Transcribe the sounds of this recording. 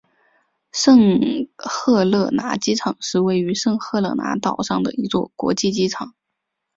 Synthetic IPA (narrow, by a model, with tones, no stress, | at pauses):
ʂɤ˥˧ŋxɤ˥˧lɤ˥˩na̰˧˥t͡ɕi˥ʈ͡ʂʰɑ˨˩˦ŋʂɻ̩˥˧we˥˩ɪy˧˥ʂɤ˥˧ŋxɤ˥˧lɤ̰˥˩na̰˧˥t̪ɑ˨˩ʊʂɑ˥˩ŋd̪ə̰˩i˧˥t͡swɔ̰˥˩kwɔ̰˧˥t͡ɕi˥˧t͡ɕi˥ʈ͡ʂʰɑ˨˩˦ŋ